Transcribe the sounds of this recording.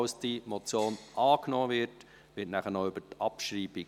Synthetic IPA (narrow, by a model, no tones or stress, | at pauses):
ʊsd̥imɔt͡sjoːnʔɑːknoːvɪɾt | ʋɪːtnæχənoʏb̥ətɑpʃɾiːbi